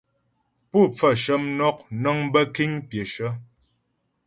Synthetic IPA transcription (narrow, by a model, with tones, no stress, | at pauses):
pu˦˨p͡fə˦˨ʃə˦mnɔ˦k̚nɔ˦ŋbə˦ki˦ɲpje˨ʃə˦